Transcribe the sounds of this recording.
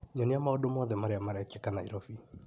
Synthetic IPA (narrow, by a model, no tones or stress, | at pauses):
ɲɔniamaodomɔðɛmaɾeamaɾɛkekanaiɾɔfi